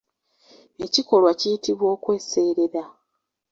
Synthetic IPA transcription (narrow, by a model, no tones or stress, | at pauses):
e̞ciko̞lwacijitiβwo̞ːkwe̞ːse̞ːɾeɾa